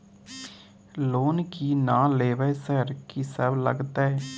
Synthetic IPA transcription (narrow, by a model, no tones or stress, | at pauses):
loːnkiːnãːleːʋəsəɾkisəblə̰ɡt̪aːɦɛː